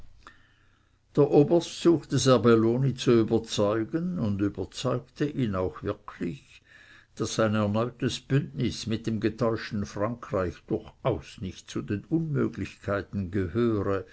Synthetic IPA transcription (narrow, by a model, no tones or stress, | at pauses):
d̥eːɐʔoːbɐstz̥uːxtəzɛɐbeloːnit͡suyːbɐt͡sɔʏɡənʊndyːbɐt͡sɔʏktəʔiːnaʊxvɪɐkʰlɪç | d̥asːaɪnɛɐnɔʏtəsb̥ʏndnɪsmɪt̚d̥eːmɡətʰɔʏʃtn̩fʁaŋkʁ̥aɪçd̥ʊɐçaʊsnɪçt̚t͡sudeːnʊnmø̰ːɡlɪçkʰaɪtn̩ɡəhøːʁə